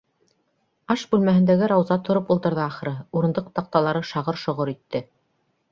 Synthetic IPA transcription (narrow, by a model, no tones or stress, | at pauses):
ɑʃbʉlmæɦɘ̆nd̪æɡɘɾɑwzɑt̪ʰŏɾɤpulˠt̪ɤ̆ɾðɤɑχɤ̆ɾɤuɾɤ̆nd̪ɤq̚t̪ɑq̚t̪ɑlˠɑɾɤʃɑʁɤɾʃŏʁoɾit̪ːɘ